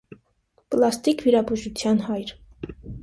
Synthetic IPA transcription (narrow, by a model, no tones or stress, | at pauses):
plɑst̪ikviɾɑbuʒut͡sʰjɑnɦɑjɾ